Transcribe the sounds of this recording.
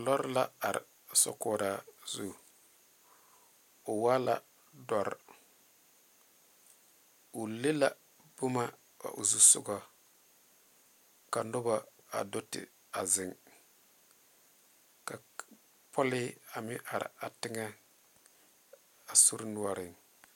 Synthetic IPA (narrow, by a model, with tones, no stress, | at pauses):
lɔ˦ɾla˦a˨ɾɪ̰˨ | sɔ̰˨kɔ˨ɾa˨zu˨ | ʊ˨wa˦la̰˦ | dɔ˦ɾ | u˨le˦la˨ | b̥ʊ˦ma˦ | a̰˨ʔṵ˨zu˦sʊ̰˦ɡɔ˦ | ka˨nʊ˦ba˦ | a̰˨do˦tɪ̰˨ | a˨zɪ˨ŋ | ka˨ | pʰɔ˦lɪ˦a˨mɪ˦ʔa˨ɾ̰a˨tɪ˦ŋɛ˦ | a˨su˦ɾnu˦˨a˦ɾɪ˨ŋ